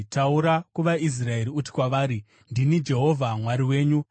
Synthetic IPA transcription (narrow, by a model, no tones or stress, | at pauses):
tauɾakuʋais̬rae̞ɾiuti̥kwaʋaːɾi | ndinid͡ʒe̞ɦo̞vʱamwaɾiwe̞ːɲu